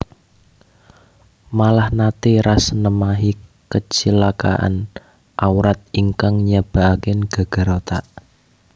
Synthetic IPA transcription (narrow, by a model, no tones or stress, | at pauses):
malahnat̪iɾasnəmaɦikət͡ʃilaka̰ʔa̰n | ʔawɾat̪̚iŋkaŋɲab̥a̤akɪnɡ̥a̤ɡ̥ə̤ɾot̪aʔ